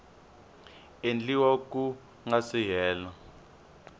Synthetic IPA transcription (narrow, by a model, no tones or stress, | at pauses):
end͡ɮiwoku | ŋasijɛːlɔ